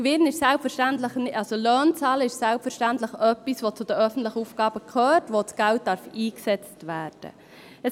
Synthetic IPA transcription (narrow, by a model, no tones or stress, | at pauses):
ʋɪnɪʃsælpfəɾʃtæntləχnɑlsolœːnt͡sɑːləɪʃsælpfəɾʃtæntləχœpːisʋot͡sʊd̥̪əœfən̩tləχəuːfɡɑːb̥əkʰøːɾtʋot͡sɡ̥æwt̚d̥ɑɾfiːksɛt͡stʋæːɾd̥ə̰ | ɛ